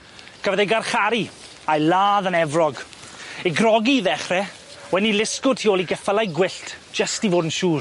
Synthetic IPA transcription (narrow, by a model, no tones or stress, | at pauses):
ɡ̥əvəðejɡarχaɾi | ajlaːðənɛvrɔɡeɡrɔɡiðɛχrɛ | wɛnilɪskʊd̥̚tʰioːlˠiɡɛfəlˠajɡwɪɬtʰd͡ʒ̥əstivoːdn̩ʃuːr